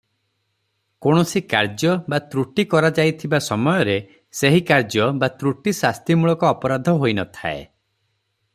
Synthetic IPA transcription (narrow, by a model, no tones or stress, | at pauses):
koɽ̃ɔsikaɾd͡ʒjɔbat̪ɾuʈikɔɾad͡ʒajt̪ʰibasɔmɔjɔɾe | seɦikaɾd͡ʒɔbat̪ɾuʈisast̪imuɭɔkɔːpɔɾad̪ʱɔɦojnɔt̪ʰa̰ḛ